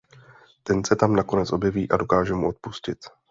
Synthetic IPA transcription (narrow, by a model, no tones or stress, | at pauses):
t̪ɛnsɛt̪amnako̞nɛt͡sʔo̞bjɛviːʔado̞kaːʒɛmuʔo̞t̪̚puscɪt̪